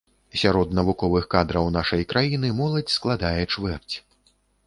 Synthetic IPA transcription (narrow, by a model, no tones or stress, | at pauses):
sʲaɾɔd̪nɐvukɔvɨxkad̪ɾɐwnaʂɐjkɾajin̪ɨmɔlˠɐt͡sʲsklˠad̪ajɛt͡ʂvɛrt͡sʲ